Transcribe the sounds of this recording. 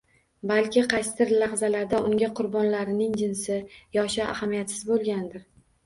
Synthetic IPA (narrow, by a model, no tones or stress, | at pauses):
balkʲɪqʰɑjst̪ɪɾlaʁzalaɾd̪aʊŋɡʲaqʰʊɾbɒnlaɾɪnɪŋd͡ʒɪnsɪjɒʃɪa̰hamijat̪sɪzbolˠɡʲand̪ɪɾ